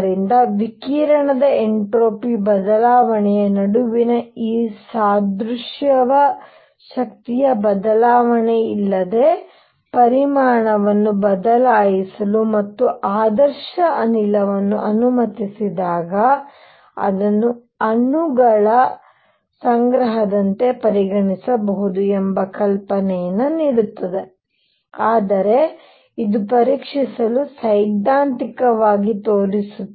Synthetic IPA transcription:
ɾind̪ɐʋikiːɾɐɳɐd̪ɐeɳʈɾoːpibɐd̪ɐlaːʋɐɳɛjɐnɐɽuʋinɐiːsaːd̪ɾuʂjɐʋɐ | ʃɐk̚t̪ijɐbɐd̪ɐlaːʋɐɳeilːɐd̪e̞ | pɐɾimaːɳɐʋɐnːubɐd̪ɐlaːjisɐlumɐt̪ːuʔaːd̪ɐɾʃɐʔɐnilɐʋɐnːṵʔɐnumɐt̪isid̪aːɡɐ | ɐ̰d̪ɐnːu | ɐnuɡɐɭɐ | sɐŋɡɾɐɦɐd̪ɐnt̪e̞pɐɾiɡɐɳisɐbɐɦud̪uɛmbɐkɐlpɐnɛjɐnːɐniːɽut̪ːɐd̪e̞ | aːd̪ɐɾe̞ | id̪upɐɾiːkʂisɐlusɐjd̪aːnt̪ikɐʋaːɡit̪oːɽisu

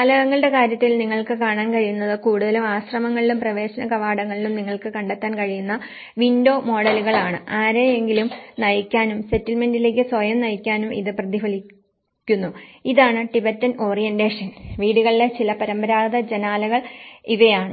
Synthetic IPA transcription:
lɐɣɐŋːɐɭiɽe̞kaːɾjɐt̪ːilniŋːɐɭkɨkaːɳaːnkɐɻijunːɐðɨkuːɽuðɐlumaːɕrɐmɐŋːɐɭilumprɐʋe̞ːɕɐnɐkɐʋaːɽɐŋːɐɭilumniŋːɐɭkɨkɐɳɖet̪ːaːnkɐɻijunːɐ | ʋindo̞ːmo̞ːɽɐluɣɐɭaːɳɨʔaːɾejeŋɡilumnɐjkʲːaːnumse̞tːilmendile̞ːk̬ʲːɨswojɐmnɐjikʲːaːnumʔḭðɨprɐðifɐli | kʲːunːuiðaːɳɨʈibetːɐno̞ːrijendeːʂɐnʋiːɽuɣɐɭile̞t͡ɕilɐpɐɾɐmbɐɾaːðɐd͡ʑenaːlɐɣɐɭiʋɐjaːɳɨ

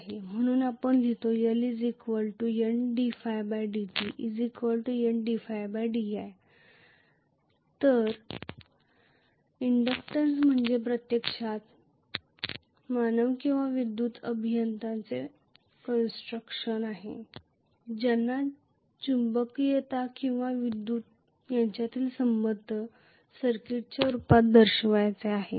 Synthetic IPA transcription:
ɦem̤əɽ̃uːnapəɳd̪ʱit̪ojəlid͡zikʋəlʈujəɳɖifajbajɖit̪iʔid͡zikʋəlʈujəɳɖifajbajɖijaj | t̪əɾ | iɳɖəkʈəɾsm̤əɳd͡zep̬ɾət̪jekʂat̪ | manəʋkĩw̃ʋaʋid̪ːuːt̪əbʱijənt̪ãnt͡se | kənsʈɾəkʂənaɦḛ | d͡ʑanːa | t͡ɕumbəkjet̪akĩw̃ʋaʋid̪ːuːt̪ | jaɲt͡ɕjat̪iːlsəmbəd̪ʱːə | səɾkiʈ̚t͡ɕjaɾupat̪̚d̪əɾɕəʋajt͡seaɦḛ

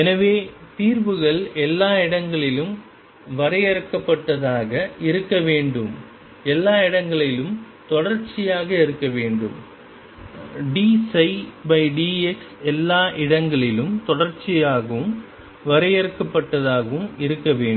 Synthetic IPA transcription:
ɛnɐʋeːt̪iːɾbɯɣɐɭɛlːaːɪɽɐŋɡɐɭɪlɯm | ʋɐɾɐjɐɾɯkːɐpːɐʈːɐðaːɣɐɪɾɯkːɐʋeːɳɖɯm | ɛlːaːɪɽɐŋɡɐɭɪlɯm | t̪ɔɽɐɾt͡ʃɪjaːɣɐɪɾɯkːɐʋeːɳɖɯ̰m | ɖiːsɐɪbɐɪɖiːɛksɛlːaːʔɪɽɐŋɡɐɭɪlɯmt̪ɔɽɐɾt͡ʃɪjaːɣɐʋɯm | ʋɐɾɐjɐɾɯkːɐpːɐʈːɐðaːɣɐʋɯmɪɾɯkːɐʋeːɳ

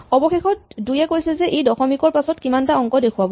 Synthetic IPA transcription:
ɔbɔxexɔt̚dujɛkojsɛzɛʔejdɔxɔmikɔɹpasɔtkimantaɔŋkɔdekʰʊwabɔ

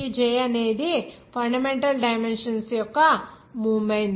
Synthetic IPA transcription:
id͡ʒɛːjɐne̞ːd̪ipʰɐɳɖɐmeɳʈɐlɖɐjmenʂɐnsjɔkːɐ | muːmɐjnd̪

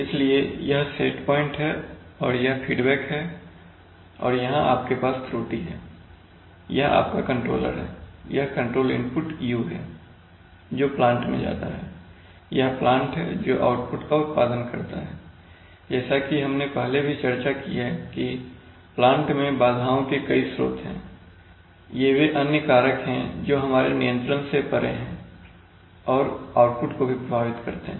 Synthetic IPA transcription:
ɪsliejɐɦsʈḛːʈpɔːɪ̃ɳʈɦɛːɔːɾjɐɦfʰiːɖbɛːkɦɛː | ɔ̰ːɾjɐɦãaːp̚kepaːst̪ʰɾuːʈiɦɛ̰ː | jɐɦa̰ːp̚kakə̃ɳʈɾo̰ːlə̰ɾɦɛ̰ːjɐɦkə̃ɳʈɾoːlɪ̰̃mpʊʈjuːɦɛ̰ː | d͡ʒoːplãːɳʈmḛ̃d͡ʒa̰ːt̪a̰ɦɛ̰ː | jɐɦplãːɳʈɦɛ̰ːd͡ʒo̰ːʔa̰ːʊʈpʊʈkaʊt̪̚paːd̪ənkɐɾt̪a̰ɦɛː | d͡ʒɛːsakiɦɐmnepɛɦlebʱit͡ʃɐɾt͡ʃakijaki | plãːɳʈmẽbaːd̪ʱaːõkekɐisɾo̰ːt̪ɦɛ̰̃ː | jebeʔɐnjəkaːɾəkɦɛ̃d͡ʒoːɦɐmaːɾenijə̃nt̪ɾənsepɐɾʔḛɦɛ̃ | ɔːɾaːʊʈ̚pʊʈkobʱipɾɐbʱaːʋɪt̪kɐɾt̪eɦɛ̃

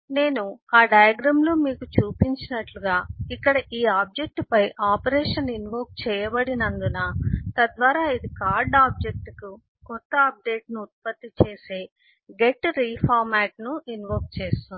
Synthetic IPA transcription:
ne̞ːnuaːɖɐjɐɡɾɐmlo̞ːmiːkut͡ʃuːpiɲt͡ʃinɐʈluɡaːikːɐɽɐʔiːaːb̚d͡ʒe̞k̚ʈpɐjʔaːpɐɾɛːʂɐninʋo̞ːk̚t͡ʃɛːjɐbɐɽinɐnd̪unɐt̪ɐd̪ʋaːɾaːid̪ikaːɾɖaːb̚d͡ʒek̚ʈku | kɔt̪ːɐːp̚ɖe̞ːʈnuːt̪̚pɐt̪ːit͡ʃeːse̞ː | ɡeʈːɾiːpʰaːɾmaːʈnuinʋoːk̚t͡ʃeːst̪un

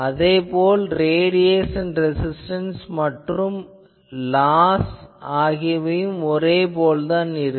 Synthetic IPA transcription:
ɐðeːpoːlɾeːɽɪjeːsɛnɾɛsɪsʈɐnsmɐʈrɯm | laːsaːɣɪjɐʋɐjɯmɔɾeːpoːlðaːnɪɾɯ

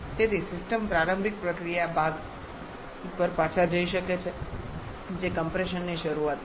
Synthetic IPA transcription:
t̪et̪ʰisɪsʈəmpɾaɾəmbʱik̚pɾəkɾijabaɡ | upəɾpat͡ʃʰad͡ʒəiʃəket͡ʃʰe | d͡ʒekəmpɾeʃənːiʃəɾuʋat̪

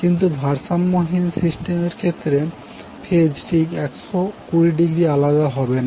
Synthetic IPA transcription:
kint̪̬ubʱaɾsamːoɦinsisʈemeɾkʰet̪ːɾe | pʰed͡ʑʈʰikɛkʃokuɾiɖiɡɾialad̪aɦɔbena

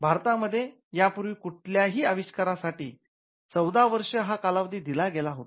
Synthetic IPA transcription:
bʱaɾt̪aməd̪ʱːje | japuɾʋiːkuʈ̚ʰljaɦiːəʋiɕkaɾasaʈiː | t͡səwd̪aʋəɾʂəɦakalaʋd̪ʱiːd̪ilaɡelaɦot̪

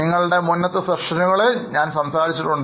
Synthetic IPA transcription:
iŋːɐɭuɽe̞munːɐt̪ːɨseʂɐnuɣɐɭeɲaːnsɐmsaːɾit͡ɕːiʈːuɳɖ

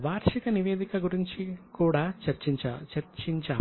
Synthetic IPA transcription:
ʋaːɾʃikɐniʋeːd̪ikɐɡuɾiɲt͡ʃikuːɽaːɐɾt͡ʃit͡ʃɐɾt͡ʃiɲt͡ʃaː

